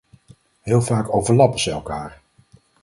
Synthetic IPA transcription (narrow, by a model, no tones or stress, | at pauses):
ɦɪːlˠvaːkowvəɹlɑpəz̥ɛɛlˠkaːɹ